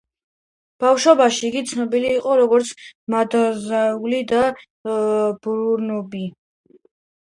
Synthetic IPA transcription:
b̥afʃɔbaʃiːɡit̪sʰnɔbiliːqʼɔɾɔɡɔɾt̪sʰmad̪azaulid̪a | b̥ɾuɾnɔbi

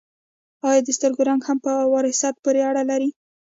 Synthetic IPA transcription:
ɑjɑd̪əst̪əɾɡoɾaŋɡhampəwaɾhɪsɑt̪̚poɾeaɽalaɾi

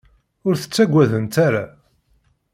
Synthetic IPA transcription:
ʊɾθə̥t͡sːæɡʷːæðənt̪aɾa

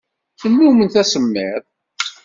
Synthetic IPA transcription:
θənːumənθæsəmːeɾˤ

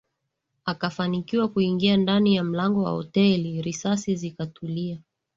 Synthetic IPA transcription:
akafanikiwakuiŋɡiandanijam̩laŋɡɔwa̰hɔ̰tɛliɾisasizikatʰulia

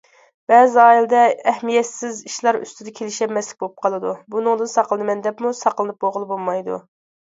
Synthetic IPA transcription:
b̥ɛːzɑːilɨd̪ɛɛhmijɛt̪sɪziʃlˠɑɾy̰st̪ʰɪd̪ɛkʲʰelɪʃɛmːɛslɪkʲbolˠp̚qʰɑlˠɨd̪ubunɨŋd̪ɨnsɑqlˠɨd̪ɨmɛnd̪ɛpmusɑqəlˠɨnɨp̚boʁəlˠɨbolˠmɑjd̪ṵ

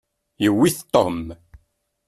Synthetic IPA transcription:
jəwːiθt̪ˤːom

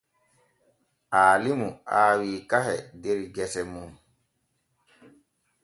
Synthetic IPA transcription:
aːlimuʔaːwiːkaɦɛdeɾiɡɛsɛmu

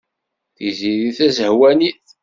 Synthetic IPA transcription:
θiziðiθæzəhwæniθ

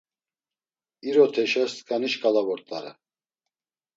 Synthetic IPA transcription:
iɾɔt̪ʰɛʃast̪kʼaniʃkʼalavɔɾt̪ʼaɾɛ̰

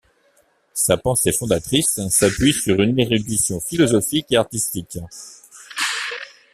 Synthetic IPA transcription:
sapɑ̃sefɔ̃d̪at̪χisːapɥisyʁyneʁyd̪isjɔ̃filɔzɔfikeaʁt̪ist̪ik

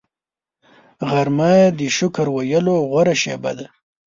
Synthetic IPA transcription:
ɣaɾmajd̪əʃʊkaɾwajəloɣwaɾaʃḛba̰d̪a

